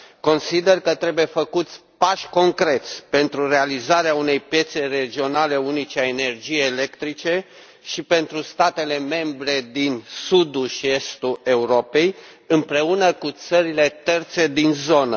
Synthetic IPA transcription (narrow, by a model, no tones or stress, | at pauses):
ko̞nsid̪e̞rkət̪ɾe̞buje̞fəkut̪sʲpaʃʲko̞ŋkɾe̞t̪sʲpe̞nt̪ɾure̞alizaɾeaune̞jpje̞t̪se̞re̞d͡ʒio̞nale̞unit͡ʃeaene̞rd͡ʒijejːle̞kt̪ɾit͡ʃe̞ | ʃipe̞nt̪ɾust̪at̪e̞le̞me̞mbɾe̞d̪insud̪uʃie̞st̪ue̞uɾo̞pe̞j | ɨmpɾe̞unəkut̪səɾile̞t̪e̞rt̪se̞d̪inzo̞nə